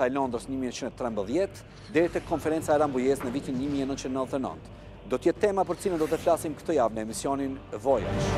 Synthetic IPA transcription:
aɛlɔnd̪ɾəsɲəmiɛt͡ʃind̪ɛt̪ɾɛmbəðjɛt̪ | d̪ɛɾit̪ɛkɔnfɛɾɛnt͡saɛɾambujɛsnəvit̪inɲəmiɛnənt͡ʃind̪ɛət̪ɛnə̰nt̪ | d̪ɔt̪əjɛt̪ːɛmapəɾt͡silənd̪ɔt̪ɛflasimkət̪ɔjavnəɛmisjɔninvɔja̰ʃ

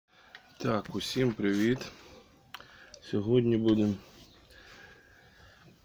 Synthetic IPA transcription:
t̪ɑkʊsʲimpɾɪʋʲit̪ | sʲɔɦɔdʲnʲibud̪em

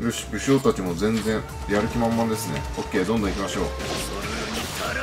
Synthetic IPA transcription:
ɾɯ̟ɕi̥kɯ̟ɕoːt̪at͡ɕimo̞zẽ̞nd͡zẽ̞ɰ | jaɾɯ̟kʲimãmːad̪e̞sɨne̞okʲːe̞ːd̪õ̞nd̪oikʲimaɕo̞ː

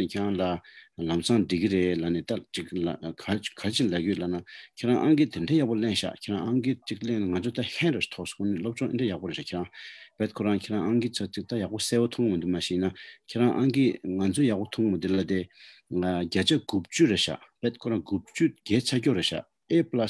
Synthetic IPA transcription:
necʰeaŋlalamsʰaŋɖ͡ʐikiɾeʔlaneːt̪at͡ɕikakʰakʰaet͡ɕilaʔjølanacʰeɹaŋʔaŋɡit̪ʰeɳɖ͡ʐeːjaʔpolenɕa̰ʔcʰeɹaŋʔaŋɡit͡ɕik̚leŋnaŋant͡sʰøt̪ahʰɛ̃nɾot͡ɕi̥t̪ʰɔʔso̥ŋunelop̚t͡ɕɔʔḭnɖ͡ʐejaʔpoɾea̰kʰeɹaŋpɛt̪̚kʰoɹaŋkʰeʔɹãŋʔaŋɡit͡sʰat͡ɕik̚t̪ajaʔposeːwot̪ʰɔŋmind̪umaɕiːnakʰeɹaŋʔaŋɡiŋant͡sʰøjapot̪ʰɔŋmid̪elat̪e | ɡat͡ɕaɡup̚t͡ɕyɹeɕa̰ʔpɛːt̪̚kʰoɹaŋɡup̚t͡ɕyɡɛːt͡ɕʰacoʔɹeɕa̰ʔ | ʔeplas

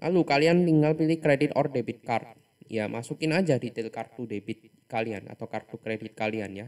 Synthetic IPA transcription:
lʔa̰lukaliant̪iŋɡalpilɪkɾedɪt̪ɔrdebɪt̪̚kart̪̚ | jamasukɪnad͡ʒadit̪ɪlkart̪udebɪt̪̚ | kaliana̰t̪awkart̪ukɾedɪt̪̚kalianja

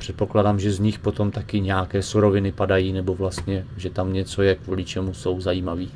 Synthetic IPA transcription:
pr̥ɛt̪̚po̞kladamʒɛzɲɪxpo̞t̪o̞mt̪akɪɲɛakɛːsuɾo̞vɪnɪpadajiːnɛbo̞vlast̪ɲɛʒɛt̪amɲɛt͡so̞jɛkvuːlɪt͡ʃɛmuso̞wzajiːmaviː

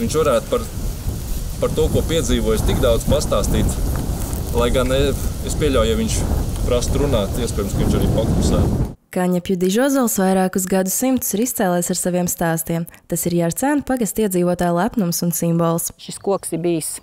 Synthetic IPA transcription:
iɲt͡ʃʋaɾæːt̪paɾ | paɾt̪uɔkuɔpiɛd̪ziːʋuɔjst̪iɡd̪awd̪z̥past̪aːst̪iːt̪ | lˠajɡaneespʲiɛʎʲawjaʋiɲʲt͡ʃpɾast̪ɾunaːt̪iɛspʲɛd̪mskoʋĩɲt͡ʃaɾiːpɔkusæ̰ːkaɲapjud̪iʒɔɔzɔlˠsvajɾaːkus̬ɡad̪usimt̪u̥siɾist̪sɛːlˠɛːjsaɾsaviɛmst̪aːst̪iɛmt̪asiɾjaɾt̪sænpaɡast̪iɛd̪ziːvuɔt̪aːjlˠapnumsunsimbɔːlˠsʃiskuɔksiɾbiːs

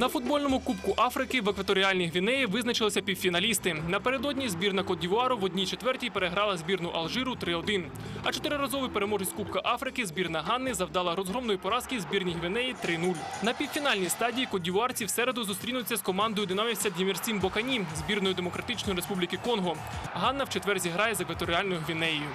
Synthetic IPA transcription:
nɐfʊd̪̚bɔlʲnɔmʊkupkʊʔɑfɾɪkɪʋekʋɐt̪ɔɾʲiɑlʲnʲiɦʋʲinɛjiʋɪznɐt͡ʃɪlˠɪsʲɐpʲiwfʲinɐlʲist̪ɪnɐpe̞ɾe̞d̪ɔdʲnʲizbʲirnɐkɔdʲiʋʊɑɾʊʋɔdʲnʲit͡ʃet̪ʋɛrtʲijpeɾeɦɾɑlˠɐzʲbʲirnʊʔɐlˠʒɪɾʊt̪ɾɪɔd̪ɪn | ɐt͡ʃɔt̪ɪɾɪɾɐzɔʋɪpeɾemɔʒɪsʲtʲkup̚kɐʔɑfɾɪkɪzbʲirnɐɦɑnːɪzɐwd̪ɑlˠɐɾɔzɦɾɔmnɔjipɔɾɑskizʲbʲirnʲijɦʋʲinɛjit̪ɾɪnulʲnɐpʲiwfʲinɑlʲnʲijst̪ɑdʲijikɔdʲiʋʊɑrt͡sʲiwsɛɾe̞d̪ʊzʊst̪ɾʲinʊt͡sʲːɐskɔmɑnd̪ɔjʊd̪ɪnamʲisʲtʲɐd̪ʲjʲimʲirt͡sʲimbɔkɐnʲizbʲirnɔjʊd̪emɔkɾɐt̪ɪt͡ʃnɔjiɾespublʲikɪkɔnɦɔ | ɦɑnːɐwt͡ʃet̪ʋɛrzʲiɦɾɑjɛzekʋɐt̪ɔɾʲiɑlʲnɔjʊɦʋʲinɛjjʊ

